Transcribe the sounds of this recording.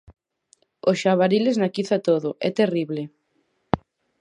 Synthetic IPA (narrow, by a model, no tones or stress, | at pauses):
osʃaβaɾileznakiθat̪oðʊʔɛt̪eriβle